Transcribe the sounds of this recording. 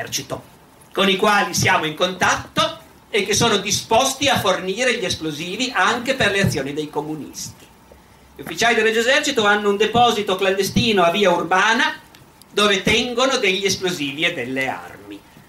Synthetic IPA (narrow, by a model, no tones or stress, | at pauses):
ɛrt͡ʃit̪o | konikwaːlisjaːmoiŋkont̪at̪ːo | ekːesːoːnod̪ispost̪iaforniːɾeʎesploziːviʔaŋkeperleat̪sːjoːnid̪ejkomunḭst̪i̥ | ʎufːit͡ʃaːlid̪elːed͡ʒezɛrt͡ʃit̪oanːound̪epɔːzit̪okland̪est̪iːnoaviːaurbaːna | d̪oːvet̪ɛŋɡonod̪eʎːiesploziːvied̪ːelːea̰rmi